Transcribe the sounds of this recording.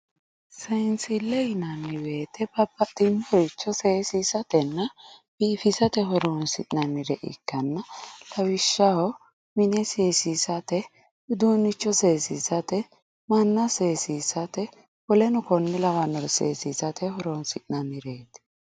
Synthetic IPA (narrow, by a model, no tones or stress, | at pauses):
sɐnsɪlːɛjɪnɐnːɪbe̞ːt̪ʰɛbɐbːɐt̪ʼːɪnːhɔjt͡ʃːɔseːsiːsɐt̪ɛnːɐb̥iːfɪsɐt̪ɛɦɔɾonsɪ̰ʔnɐnːɪd̪ɛʔɪ̰kːɐnːɐlɐwɪʃːɐhɔ | mɪnɛseːsisɐt̪ɛ | ʊd̪uːnːɪt͡ʃːɔse̞ːsisɐt̪ɛ | mɐnːɐseːsiːsɐt̪ɛ | wɔlɛnʊkɔnːɪlɐwɐnɔsḛːsisɐt̪ʰɛhɔɾonsɪʔnɐnːɪɾeːt̪ɛ̥